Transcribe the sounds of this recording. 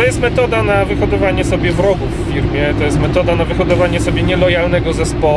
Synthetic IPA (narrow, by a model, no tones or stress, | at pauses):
ɔjɛst̪mɛt̪ɔd̪anavɘxɔd̪ɔvaɲɛsɔbʲjɛvɾɔɡufːʲiɾmʲjɛt̪ɔjɛst̪mɛt̪ɔd̪anavɘxɔd̪ɔvaɲɛsɔbʲjɛɲɛlɔjalnɛɡɔzɛspɔ